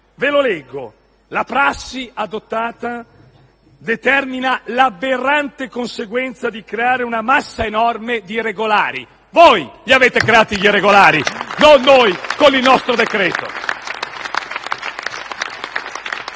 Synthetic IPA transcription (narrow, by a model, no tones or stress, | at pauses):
velolɛɡːo̰ | lapɾasːiad̪ot̪ːaːt̪a | d̪et̪ɛrminalaberːant̪ekonseɡwɛnt̪sad̪ikɾeaːɾeunamasːaenɔrmed̪ireɡolaːɾḭ | vojʎiaveːt̪ekɾeaːt̪iʎireɡolaːɾinonːojkonilnɔst̪ɾod̪ekɾɛːt̪o̰